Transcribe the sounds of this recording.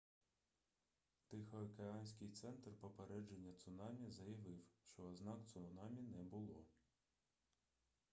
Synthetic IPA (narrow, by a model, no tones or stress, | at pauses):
t̪ɪxɔɐkeɑnʲsʲkʲɪjt̪sɛnt̪rpɔpeɾɛd͡ʒenʲːɐt̪sʊnɑmʲizɐjɐʋɪwʃt͡ʃɔːznɑkt̪sʊnɑmʲinɛbʊlˠɔ